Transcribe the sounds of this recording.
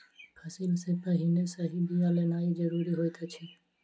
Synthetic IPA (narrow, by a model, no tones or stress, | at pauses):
pʰəsɪlsepəɦinesəɦibijalenaːid͡ʒəɾuɾiɦojt̪at͡ʃʰe